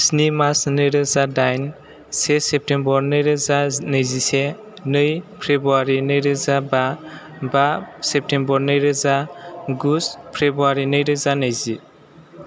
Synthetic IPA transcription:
snimasnɯjɾɯzadajn | sesep̚tembɔɾnɯjɾɯzanɯjzise | nɯjpʰɾebuaɾinɯjɾɯzaba | basep̚tembɔɾnɯjɾɯzaɡuspʰɾebuaɾinɯjɾɯzanɯjzi

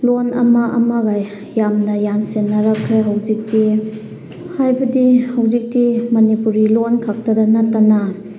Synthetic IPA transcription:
lonɐmɐʔɐ̰mɐɡajː | amnɐjansenːɐɾɐkʰːɾeɦawzik̚ti | hajbɐdihawzik̚timɐnipuɾilonkʰak̚tɐdɐnɐtːana

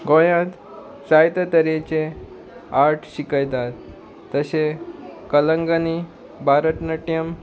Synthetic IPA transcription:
ɡõjãt̪ | sajt̪ət̪əɾet͡ɕe | aɾʈʰɕikəjt̪at̪ː | əsekələŋɡani | bʱaɾət̪nəʈjəm

